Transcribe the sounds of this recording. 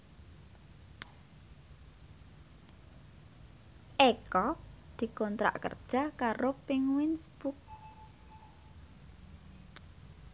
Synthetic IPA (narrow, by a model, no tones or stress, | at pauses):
ʔekɔd̪̥i̤kɔnt̪ɾa̰ʔkə̰rd̥ʒ̥a̤kaɾopɪŋwinsb̥uk̚